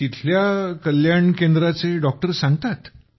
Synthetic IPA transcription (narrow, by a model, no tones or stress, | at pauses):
it̪ʰljakəljaɳkend̪ɾat͡seɖɔk̚ʈəɾsãŋɡt̪at̪